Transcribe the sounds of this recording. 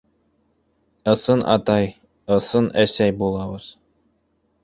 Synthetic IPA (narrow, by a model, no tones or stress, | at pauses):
ɤ̆sɤnʔɑ̰t̪ɑj | ɤ̆sɤnæsæjbulˠɑbɤz̥